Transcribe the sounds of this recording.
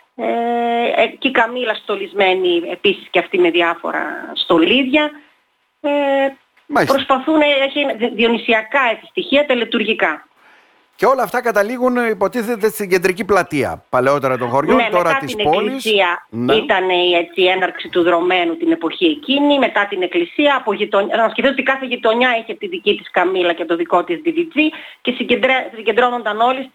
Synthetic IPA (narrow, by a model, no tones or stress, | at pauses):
e | cikɐmilɐst̪o̞lizme̞niepisi̥sceɐft̪ime̞ðiɐfo̞̰ɾɐ̰st̪o̞liðʝɐ | e | pɾɾo̞spɐθunɐeçiðio̞nisiɐkɐet͡si̥st̪içiɐt̪elet̪uɾʝikɐ | ceo̞lɐːft̪ɐkɐt̪ɐliɣunipo̞t̪iθet̪est̪iɟe̞nd̪ɾiciplɐt̪iɐ̰pɐle̞o̞t̪eɾɐt̪oŋxoɾʝonemt̪eotɾɐɐt̪isisineoklilisiɐnit̪ɐne̞ie̞t͡sienɐɾksit̪uðɾo̞me̞nut̪ine̞po̞çie̞cinime̞t̪ɐt̪ine̞klisiɐːpoʝit̪o̞nɐscefθisot̪ikɐθeʝit̪o̞ɲɐeçet̪iðicit̪i̥skɐmilɐcet̪o̞ðiko̞t̪izd̪iðid͡zice̞siɟed̪ɾesiɟe̞nd̪ɾo̞no̞nd̪ɐno̞lis